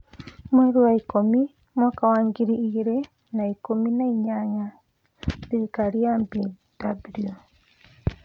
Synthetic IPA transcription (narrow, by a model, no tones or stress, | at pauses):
mweɾuwaikomi | mwakawaːŋɡiɾiːɾe | naikominaiɲaɲa | ðeikaɾiambi | d̥abulio